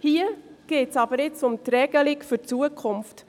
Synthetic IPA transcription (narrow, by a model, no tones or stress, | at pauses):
hiːəɡ̥eːtsɑbəɾɪt͡sʊmtɾɛɡ̥əlɪkfʏt͡suəkʰʊmft